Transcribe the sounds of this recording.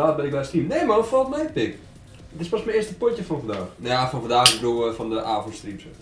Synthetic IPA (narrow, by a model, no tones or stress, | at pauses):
aːt̚bɛnɪk̚bɛstimneːmarɔtfɔlˠtmɛjpɪk | tɪspasmɛnɪəstəpotjəfɔnfɔndaːxnjafɔnfɔndaːxbəbduəfɔndəʔaːfɔntstripsə